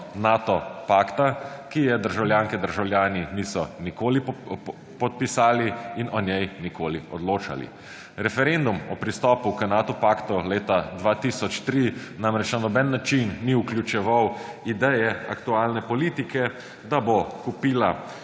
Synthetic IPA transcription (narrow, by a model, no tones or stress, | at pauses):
nat̪ɔpaːkt̪akijɛd̪əɾʒawljaːŋkɛd̪əɾʒawljaːninisɔnikoːli | pɔt̪̚pisaːliinɔnʲjɛjnikoːliɔd̪loːt͡ʃa̰lḭ | ɾɛfɛɾend̪umɔpɾist̪ɔːpukənaːt̪ɔpaːkt̪uleːt̪ad̪ʋat̪isɔt͡ʃt̪ɾinamɾɛt͡ʃnanɔbɛnːat͡ʃinːiuklʲjut͡ʃɛʋaw | id̪ɛjɛa̰kt̪uaːlnɛpɔliːt̪ikɛ | d̪abokupiːla